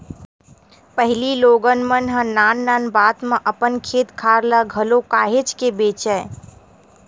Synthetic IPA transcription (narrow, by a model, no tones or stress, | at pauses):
pəɦliloːɡənmənɦə̃naːnːaːnbaːt̪mẽʔəpənkʰeːt̪kʰaːɾləɡʱəlokaːɦet͡ʃkebeːt͡ʃə